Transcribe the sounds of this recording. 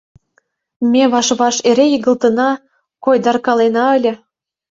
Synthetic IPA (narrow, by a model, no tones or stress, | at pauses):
mʲeβɑʃβɑʃeɾʲejəɣə̆lt̪ə̆nɑ | kojd̪ɑrkɑlenɑə̆lʲə̆